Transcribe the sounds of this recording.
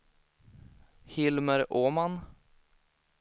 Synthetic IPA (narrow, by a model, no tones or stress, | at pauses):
hɪlməɾoːman